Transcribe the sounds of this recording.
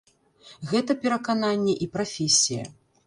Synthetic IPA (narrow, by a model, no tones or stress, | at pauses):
ɣɛt̪ɐpʲɛɾɐkananʲːɛʔipɾafʲɛsʲijɐ̰